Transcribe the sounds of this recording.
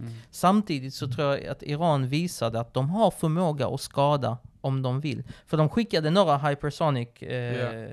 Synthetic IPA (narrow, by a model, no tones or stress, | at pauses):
samt̪ʰiːd̪ɪt̪sɔt̪ʰɾuːɾja̰t̪ɪɾɑːnviːsad̪əat̪̚d̪ɔmɦaɾfœɾmoːɡa̰ʔɔskɑːd̪a̰ɔmd̪ɔmvɪlːfœɖɔmɧɪkːad̪ənoːɾaɦajpʰɛɾsɔnɪk